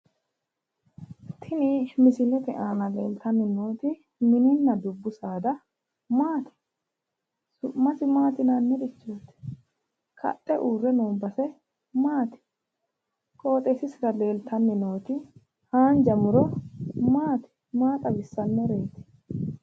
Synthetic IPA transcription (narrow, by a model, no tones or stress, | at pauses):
t̪ʰɪnɪmɪsɪlɛt̪ɛʔaːnɐlḛːlt̪ɐnːɪnoːt̪ɪ | mɪnɪnːɐd̪ʊbːʊsaːd̪ɐ | maːt̪ɪ̥ | sʊmɐsɪmaːt̪ɪnanːɛd̪ɪt͡ʃːoːt̪ɛ̥ | kʰɐ̰t̪ʼːɛʔuːrɛnoːbɐsɛ | maːt̪ɪ̥ | kʼo̞ːt̪ʼɛsɪsɪɾɐle̞ːlt̪ʰɐnːɪno̞ːt̪ɪ | haːnd͡ʒɐmʊɾɔmaːt̪ɪ̥ | maːt̪ʼɐbɪsːɐnːɛɾeːt̪ɪ̥